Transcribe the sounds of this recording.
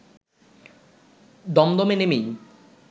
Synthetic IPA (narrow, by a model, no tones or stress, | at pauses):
d̪ɔmd̪ɔmenemij